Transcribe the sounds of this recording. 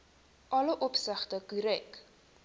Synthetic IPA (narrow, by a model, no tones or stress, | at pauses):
ʔɐləʔɔpsəχtəkuɾɛk